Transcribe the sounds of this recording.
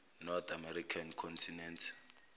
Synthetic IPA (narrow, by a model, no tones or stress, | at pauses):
nɔrt̪ʰamɛɾikʰankʰɔntʰinɛntʰ